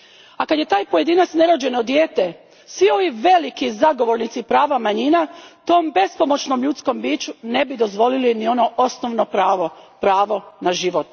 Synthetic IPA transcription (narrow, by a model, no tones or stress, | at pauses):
akad̪je̞t̪aːjpoje̞d̪inat̪sne̞ɾo̞d͡ʑe̞nod̪je̞ːt̪e | sʋio̞ʋiʋe̞likizaɡo̞ʋo̞ɾnit̪sipɾaːʋamaɲinat̪o̞ːmbe̞spo̞mo̞t͡ʃno̞mʎut̪sko̞mbiːt͡ʃune̞bid̪o̞zʋo̞lilinio̞no̞ʔo̞snoʋnopɾaʋopɾaːʋo̞naʒiʋot̪